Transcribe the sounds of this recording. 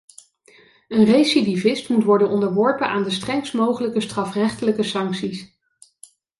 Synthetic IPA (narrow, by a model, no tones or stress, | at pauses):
ənrejsidivɪstmutʋɔɹdənɔndəɹʋɔɹpənʔaːndəstrɛŋstmowχələkəstrɑfrɛχtələkəsɑŋksis